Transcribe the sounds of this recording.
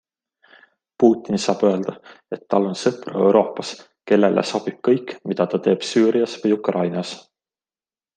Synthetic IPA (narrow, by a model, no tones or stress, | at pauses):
puːt̪ˑːinisɑːb̥ø̞eld̪̥ɑ | e̞t̪ːɑlːo̞nsɤprɑ̰ewɾʔo̞ːpːˑɑs | ke̞lːelʔḛso̞b̥ib̥̚kɤjkːmid̪̥ɑt̪ɑt̪e̞ːb̥syːɾiɑsvɤjukrɑjnɑs